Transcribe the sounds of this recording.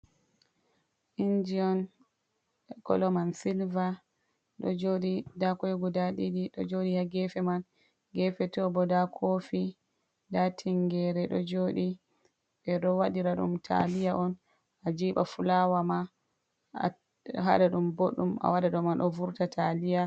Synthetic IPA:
ʔind͡ʒiɔn | kɔ̰lɔmansilva | ɗɔ̰d͡ʒoɗidakɔjɡudaɗidiɗɔd͡ʒoɗihaɡɛfɛman | ɡɛfɛtɔbɔdakʰofi | datʰiŋɡɛɾɛɗɔ̰d͡ʒoːɗi | ɓɛɗɔwaɗiɾaɗṵmtʰa̰lijaʔɔn | ʔad͡ʒiːɓa̰fulawama | ɦa̰ɗaɗumboɗːumʔa̰waɗaɗɔmanɗɔvuɾtatʰalija

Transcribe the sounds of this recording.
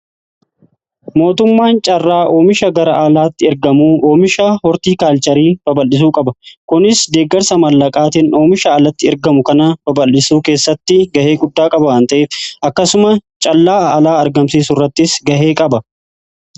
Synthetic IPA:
mo̞ːt̪ʊmːaːnt͡ʃʼɐrːaːʔo̞ːmɪʃɐɡɐɾɐʔɐlaːt̪ːɪɪɾɡɐmuːʔo̞ːmɪʃɐhɔɾt̪iːkaːlt͡ʃʼɐɾiːb̥ɐbɐlːɪs̬uːkʼɐbɐkʊnɪsd̪e̞ːɡɐɾsɐmɐlːɐkʼaːt̪ɪnʔo̞ːmɪʃɐːlɐt̪ːɪɛɾɡɐmʊkɐnɐb̥ɐbɐlːɪsuːke̞ːsːɐt̪ːɪɡɐhe̞ːɡʊd̪ːaːkʼɐbɐwɐnt̪ɐʔeːfɐkːɐsʊmɐt͡ʃʼɐlːaːlaːɐɾɡɐmsiːsʊrːɐt̪ːɪsɡɐhe̞ːkʼɐbɐ

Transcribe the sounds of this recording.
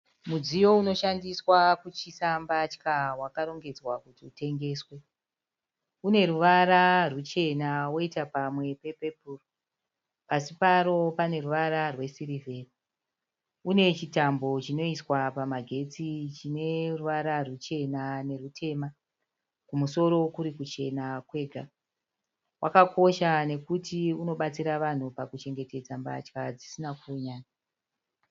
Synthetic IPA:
mud͡zijo̞uno̞ʃandiswakut͡ʃisambat͡ʃi̥kawakaɾo̞ŋɡe̞d͡zwakutiute̞ŋɡe̞ːswe̞ | une̞ɾuʋaɾarut͡ʃe̞nawo̞itapamwe̞pe̞pe̞puːro | pasipaɾo̞pane̞ruʋaɾarwe̞siɾiveːri | une̞t͡ʃitambo̞t͡ʃino̞iswapamaɡʱe̞t͡sit͡ʃine̞ruʋaɾarut͡ʃe̞nane̞rutʰe̞ma | kumuso̞ɾo̞kuɾikut͡ʃe̞nakwe̞ːɡʱa | wʔakako̞ʃane̞kutiuno̞ɓat͡siɾaʋan̤upakut͡ʃe̞ŋɡe̞te̞d͡zamba̰t͡ʃkad͡zisinakuɲaːɲa

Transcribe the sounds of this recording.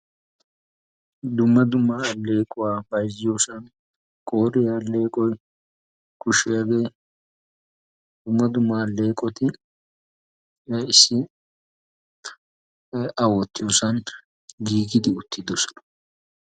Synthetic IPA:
d̪ʊmːɐd̪ʊmːaɐle̞ːkʼʊwaːbɐjzɪjoːsɐn | kʼoːɾɪjaːlːe̞ːkʼɔj | kʊʃɪjaɡe̞ː | d̪̥ʊmːɐd̪ʊmːɐːlːe̞ːkʼɔt̪ɪ | ɪsːɪ | ɐwɔt̪ːɪjoːsɐn | ɡiːɡɪd̪ɪʊt̪ːɪd̪ɔsɔ̥nɐ̥

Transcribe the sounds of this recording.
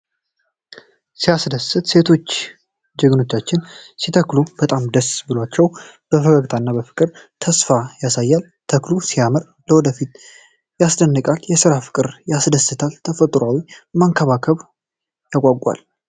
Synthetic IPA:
sijasd̪əsɨt̪se̞t̪ʰo̞t͡ʃː | d͡ʒəɡɨno̞t͡ʃːat͡ʃːɪnsit̪ʰəklubət̪ʼamd̪əsbɨlwat͡ʃːɛwb̥əfəɡəɡt̪ʰanːabəfɨ̥kʼɨɾt̪ʰəsfajasajːal | t̪ʰəklusijamɨɾ | ləwɔd̪əfit̪ | jasd̪ənːɨkʼaljɛsɨɾafɨ̥kʼɨɾjasd̪əsɨt̪ʰalt̪ʰəfət̪ʼɾawimaŋkʰəβakʰəβ | jakʼaɡʼʷa̰l

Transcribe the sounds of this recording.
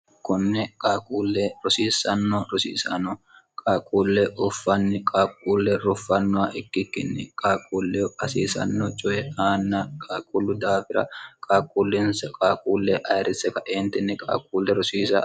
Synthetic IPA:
kʊnːɛkʼaːkʼuːlːɛɾɔsiːsɐnːɔɾɔsḭːsɐ̰nːɔ | kʼaːkʼːuːlːɛʔʊfːɐnːɪkʼaːkʼːuːlːɛɾʊfːɐnːʊwaʔɪkːɪkːɪnːɪkʼaːkʼuːlːɛɐsḭːsɐ̰nːɔt͡ʃʼɔjɛaːnːɐkʼaːkʼʊlːʊd̪aːfɪɾɐ̰kʼaːkʼuːlːɪnskʼaːkʼuːlːɛʔɐjɾɪsɛkɐʔeːnt̪ɪnːɪkʼa̰ːkʼuːlːɛɾʊsiːsɐ̰

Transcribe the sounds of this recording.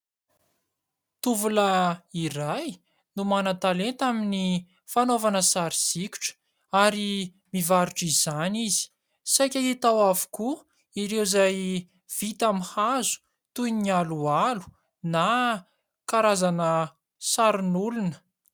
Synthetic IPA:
t̪uvulairaj | numanat̪alent̪amini | fanovanəsaɾiz̥ikʲu̥ʈ͡ʂə̥ | aɾi | mivaɾuʈ͡ʂizanizi̥ | sajkʲaɦit̪awavu̥ku | iɾewzaj | v̥it̪amihazu̥ | t̪uninialualu̥ | na | kaɾazanə | saɾinulunə̥

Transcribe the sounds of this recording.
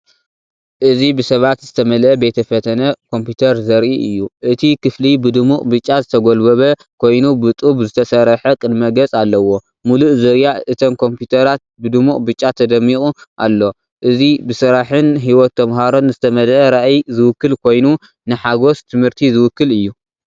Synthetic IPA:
ʔɨzibɨsɐβat̪zɨt̪ʰɐmɐlʔɐbet̪ʰɐfɐt̪ʰɐnɐkʰo̞mpit̪ʰɐɾzɐɾʔiʔɨjːuʔɨt̪ʰikʰɨflibɨd̪ɨmuqʼbɨt͡ʃʼːazɨt̪ʰɐɡolbɐβɐ | kʰo̞jnubɨt̪ʼubzɨt̪ʰɐsɐɾɐħɐkʼɨd̪mɐɡɐt͡sʼalːɐwo̞ | muluʔzɐɾjaʔɨt̪ʰomkʰo̞mpjut̪ʰɐɾat̪̚bɨd̪ɨmuʔʼbɨt͡ʃʼːat̪ʰɐd̪ɐmːikʼuʔa̰lːo̞ | ʔɨzibɨsɨɾaħɨnɦiwɔt̪ːɐmhaɾo̞nzɨt̪ʰɐmɐlʔɐɾaʔjzɨwʊkːɨlkʰo̞jnu | nɨħaɡo̞st̪ʰɨmhɨɾt̪ʰizɨwʊkːɨlɨjːu

